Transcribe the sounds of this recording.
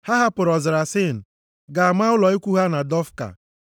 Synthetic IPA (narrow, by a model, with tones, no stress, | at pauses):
ha˦ɦa˦pʊ˨ɾɔ˨zɪ˨ɾa˨sɪ˦˨n̩˨ | ɡa˨a˨ma˦ʊ˦lɔ˨i˦kʷu˦ɦa˦na˨dɔ˦fka̰˨